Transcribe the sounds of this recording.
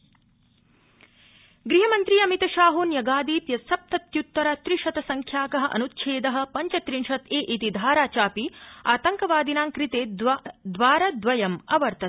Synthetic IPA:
ɡɾiɦɐmɐnt̪ɾiːɐmit̪ɐʃaːɦuːnjɐɡaːd̪iːpjɐsɐp̚t̪ɐt̪jut̪ːɐɾɐt̪ɾiʂɐt̪ɐsɐŋkʰjaːkɐɦɐ̆ʔɐ̰nut̪ʃʰeːd̪ɐɦɐ̆pɐɲt͡ʃɐt̪ɾiɳʃɐt̪eːʔit̪id̪ʱaːɾaːt͡ʃaːpiaːt̪ɐŋkɐʋaːd̪inaːŋkɾit̪eːd̪ʋaːɾɐd̪ʋɐjɐmɐʋɐɾt̪ɐt̪

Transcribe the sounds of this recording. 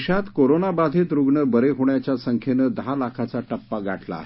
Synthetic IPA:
ɕat̪koɾonabad̪ʱet̪ɾuɡɳəbəɾeɦoɳjat͡ɕjasəŋkʰenəd̪ɦalakʰat͡saʈəpːaɡʱaʈla̰ːɦe

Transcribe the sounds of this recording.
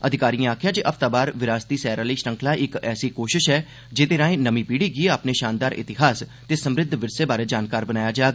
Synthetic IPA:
əd̪ʱɪkaːɾiːãːaːkʰjaːd͡ʒeːʔəpʰt̪aːbaːɾʋɪɾaːst̪iːsɛːɾaːləiːʃɾə̃ŋkʰlaːiɪkɛ̰ːsiːkoːʃɪʃɦɛː | d͡ʒeːt̪eːɾãːẽːnəmĩːpiːɽiːɡɪeaːpneːʃaːnd̪aːɾʔɪ̰t̪ɪɦaːst̪eːsəmɾɪd̪ʱʋɪɾseːbaːɾeːd͡ʒaːnkaːɾbənaːjaːd͡ʒaːɡa

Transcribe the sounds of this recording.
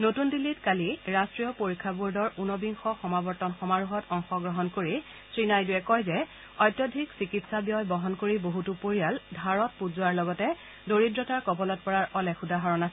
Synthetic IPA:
notundilːitkaliɹastɹijɔpoɹikʰːabuɹdɔɹunɔbiŋxɔxɔmabɔɹtɔnxɔmaɹuɦɔtɔŋxɔɡɹɔɦɔnkoɹi | sɹinajduɛkɔjzɛ | ɔjtjɔdʱiksikitsabijɔjbɔɦɔnkoɹiboɦutupoɹijaldʱaɹɔt̚puzʊaɹlɔɡɔtɛ | doɹidɹɔtaɹkɔbɔlɔt̚pɔɹaɹɔlɛxudʱaɦaɹɔnasɛɛ

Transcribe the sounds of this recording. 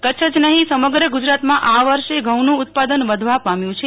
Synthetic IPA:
kət͡ʃʰəd͡ʒnəɦĩsəməɡɾəɡud͡ʒɾat̪mãʔaʋəɾʃeɡʱəwnũːt̪̚pad̪ənʋəd̪ʱʋapamjũt͡ʃʰe

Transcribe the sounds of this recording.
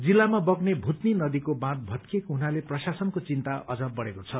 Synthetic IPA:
d͡zilːamabʌɡnebʱut̪ninʌd̪ikobãt̪̚bʱʌt̪kekoɦunaleprʌsasʌnkot͡sint̪aʔʌd͡zʌbʌɽekot͡sʰʌ

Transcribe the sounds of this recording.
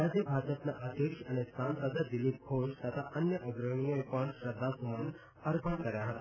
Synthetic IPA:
ad͡ʑibʱad͡ʑəpnaʔəd̪jəkʂəñesant̪ɾəd͡zad̪ilip̚ɡʰʱoʃt̪jat̪ʰaʔənjəʔəɡɾəɳ̃ijojpəɳʃɾəd̪ʱːasumaɽun | əɾpəɳkəɾjaɦət̪a

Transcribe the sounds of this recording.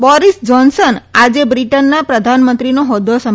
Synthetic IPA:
bɔɾisd͡ʒɔnsənad͡ʒebɾiʈənːapɾəd̪ʱanmənt̪ɾinoɦɔd̪ːosəm

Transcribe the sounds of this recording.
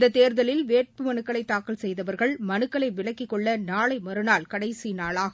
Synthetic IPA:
d̪ɐt̪ːeːɾðɐlɪlʋeːʈ̚pɯmɐnɯkːɐɭɐɪt̪ːaːkɐlsɛjðɐʋɐɾɣɐɭmɐnɯkːɐɭɐɪʋɪɭɐkːɪkːɔɭːɐnaːɭɐɪmɐɾɯnaːlkɐɽɐɪsinaːɭaːɣɐ

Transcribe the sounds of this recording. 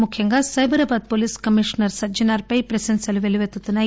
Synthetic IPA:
mukʰjɐŋɡaːsɐjbɐɾɐːbaːd̪̚poːliːskɐmiʂɐnɐɾsɐd͡ʒɐnaːɾpɐjpɾɐsɐnsɐluʋeliʋet̪ːut̪ːunːa

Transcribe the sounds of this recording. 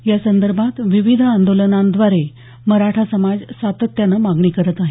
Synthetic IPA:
jasənd̪əɾbʱat̪ʋiʋid̪ʱand̪olənand̪ʋaɾe | məɾaʈʰasəmad͡zsat̪ət̪ːjanamaɡɳ̃iːkəɾət̪aɦe

